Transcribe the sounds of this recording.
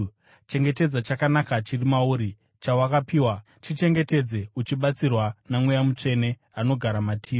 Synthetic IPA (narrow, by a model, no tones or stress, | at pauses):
t͡ʃe̞ŋɡe̞te̞d͡zat͡ʃakanakat͡ʃirimauɾi | t͡ʃawakapiːwa | t͡ʃit͡ʃe̞ŋɡe̞te̞d͡ze̞ut͡ʃiɓat͡sirwanamwejamut͡ʂe̞ne̞ | ano̞ɡʱaɾamatʰiː